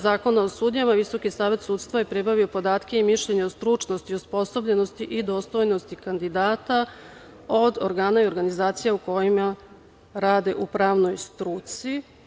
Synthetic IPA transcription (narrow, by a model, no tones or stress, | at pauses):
zaːko̞naosuːd̪ɲamaʋiso̞kisaːʋe̞t̪suːt̪st̪ʋajepɾibaʋio̞po̞d̪aːt̪ke̞imiʃʎeɲeost̪ɾut͡ʃno̞st̪iospo̞sobʎe̞no̞st̪iʔid̪o̞ːst̪o̞jno̞st̪ikand̪id̪aːt̪a | o̞d̪oɾɡaːnaioɾɡanizaːt̪sijauko̞jima | ɾaːd̪e̞ʔupɾaːʋno̞jst̪ɾuːt̪si